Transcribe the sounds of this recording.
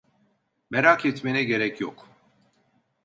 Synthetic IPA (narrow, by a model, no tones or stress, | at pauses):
mɛɾakʰjɛt̪ʰmɛnɛɡɛɾɛkʰjɔ̰kʰ